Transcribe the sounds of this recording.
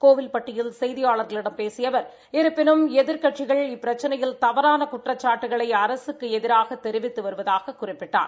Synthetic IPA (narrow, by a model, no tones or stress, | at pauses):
koːʋɪlpɐʈːɪjɪlsɛjðɪjaːɭɐɾɣɐɭɪɽɐmpeːsɪjɐʋɐɾ | ɪɾɯpːɪnɯmɛðɪɾkɐʈt͡ʃɪɣɐɭɪpːɪɾɐt͡ʃːɐnɐjɪlt̪ɐʋɐɾaːnɐkʊʈrɐt͡ʃːaːʈːɯɣɐɭɐɪɐɾɐsɯkːɯɛðɪɾaːɣɐt̪ːɛɾɪʋɪt̪ːɯʋɐɾɯʋɐðaːɣɐkːʊrɪpːɪʈːa̰ːɾ